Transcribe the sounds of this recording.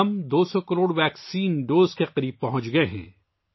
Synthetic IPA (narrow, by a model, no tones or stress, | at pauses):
ɐmd̪oːsɔkɐɾoːɽʋɛːksiːnɖoːzkeqɐɾiːb̚pɐɦʊ̃t͡ʃɡɐeɦɛ̰̃ː